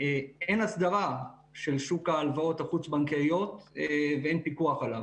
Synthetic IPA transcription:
eenasd̪aʁa | ʃe̞lʃukaːlvao̞thaχut͡sbaŋkejo̞t̪eveenpikuaχalav

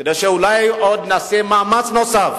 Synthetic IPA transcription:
kedejʃeulajod̪nasemaːmat͡snosaf

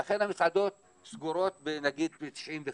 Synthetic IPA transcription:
aχe̞namisʕad̪o̞t̪ | sɡuɾo̞t̪̚benaɡid̪̚et̪i̥ʃimve

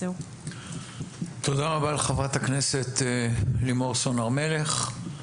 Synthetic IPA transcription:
t̪od̪aʁabaːlχavʁat̪akne̞set̪limoʁsonaʁme̞le̞χ

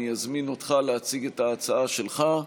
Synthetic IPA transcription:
ijazmino̞t̪χaleat͡siɡetaːt͡saaʃelχa

